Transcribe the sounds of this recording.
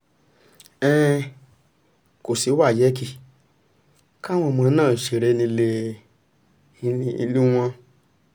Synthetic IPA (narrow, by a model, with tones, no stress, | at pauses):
ɛ̃˦ | ko˨si˨˦wa˦˨jɛ˨˦ki˦˨ | ka˦w̃ɔ̃˧mɔ̃˧nãː˦˨ʃe˧˨ɾɛ˨˦˧nĩ˧le˧ | ḭ˧lu˦w̃ɔ̃˧